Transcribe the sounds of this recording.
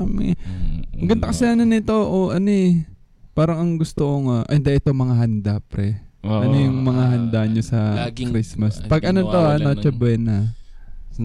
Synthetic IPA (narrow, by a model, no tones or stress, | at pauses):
ɐmɪ̰mɐɡɐnt̪ɐkɐsɛɐnonɪt̪o̞ʔoʔɐno | paːɾɐŋɐŋɡʊst̪oʔoŋaʔɐnd̪aʔɪt̪o̞mɐŋaɦɐnd̪apɾɛʔɐnojʊŋmɐŋaɦɐnd̪aʔɲɲosɐkɾismɐspɐɡʔɐnot̪oʔanot͡ʃɐbɛnɐ